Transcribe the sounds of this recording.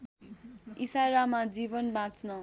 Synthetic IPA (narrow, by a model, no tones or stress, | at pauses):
isaɾamad͡zibʌnbãt͡snʌ